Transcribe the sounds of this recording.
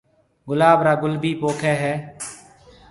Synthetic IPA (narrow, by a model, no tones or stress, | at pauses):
ɡʊlaːbɾaːɡʊlbʱiːpoːkʰɛːɦɛː